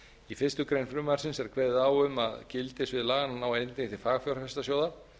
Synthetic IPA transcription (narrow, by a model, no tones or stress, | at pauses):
ifɪst̪ʏkɾejnfɾʏːmaaɾ̥sɪnsɛɾ̥kʰvɛðɪðaːwʏma̰ðcɪlt̪ɪsvɪðlaːɣananawaent̪eŋθɪfaːɣfjowɾafɛst̪asjoːwða